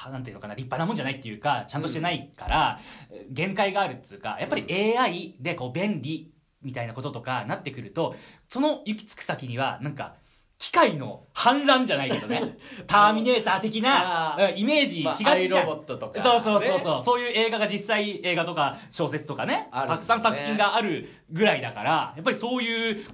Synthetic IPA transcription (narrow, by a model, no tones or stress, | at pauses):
nãnt̪ɯɯnokanaɾʲipːanamonɲ̟d͡ʑanait̪ːejɯ̟ːkat͡ɕãnt̪oɕit̪enaikaɾa | ɡẽ̞ŋkaiɡaːɾɯ̟t̪ːe̥ɯ̟ːka̰japːaɾʲie̞ːaid̪e̞ko̞ːbẽ̞nɾʲi | mʲit̪ainako̞t̪o̞t̪okanat̪ːe̞kɯ̟ɾɯ̟t̪o̞so̞no̞jɯ̟kʲi̥t͡sɨ̥kɯ̟̥sakʲiɲ̟iβa̰nãŋka̰ | kʲi̥kaino̞̰hãnɾãɲd͡ʑanaikedonet̪aːmʲine̞ːt̪aːt̪e̞kʲinaɯ̃ime̞ːʑiɕiɡaɾobot̪ːot̪okso̞ːso̞ːso̞ːso̞ːso̞ːjɯ̟ːe̞ːɡaɡaʑisːaie̞ːɡat̪o̞ka | ɕo̞ːse̞t͡sɨ̥t̪o̞kane̞ɾt̪akɯ̟̥sãñsakɯ̟̥ĩŋɡaːɾɯ̟ | ɡɯ̟ɾaid̪aka̰ɾajapːaɾʲiso̞ːjɯ̟ː